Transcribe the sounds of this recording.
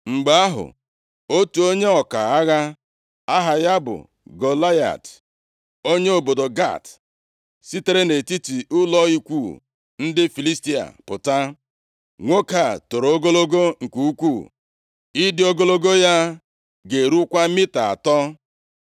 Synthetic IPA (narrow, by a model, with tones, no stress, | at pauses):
ŋ͡m̩˨ɡ͡ba˨a˦ɦʊ̰˨ | o˦tu˨o˦ɲe˦ɔ˨ka˨a˦ɣa˦ | a˦ɦa˨ja˦bʊ̰˨ | ɡo˨la˦ja̰˨t | o˦ɲe˦o˨bo˨do˨ɡa̰˦˨t | si˦te˦ɾe˦ne˨ti˦ti˨ʔʊ˦lɔ˦i˦kʷu˦˨ | n̩˦dɪ˦fi˨li˦sti˦a̰˨pʊ˨ta˦ | ŋʷo˦ka˨to˨ɾo˦ɡo˦lo˦ɡo˦ŋ̩˨kʷu˦u˦kʷu˦˨ | i˦dɪ˦o˦ɡo˦lo˦ɡo˦ja˦ | ɡe˨ɾu˦kʷa˦mi˦ta˨a̰˨tɔ˦